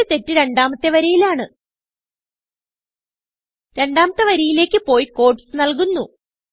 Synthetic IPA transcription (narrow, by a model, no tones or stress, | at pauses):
ɨt̪e̞tːɨɾe̞ɳɖaːmɐt̪ːeʋɐɾijilaːɳɨ | ɾe̞ɳɖaːmɐt̪ːɐʋɐɾijile̞ːkʲːɨpo̞ːjko̞ːrʈsɨnɐlkunːu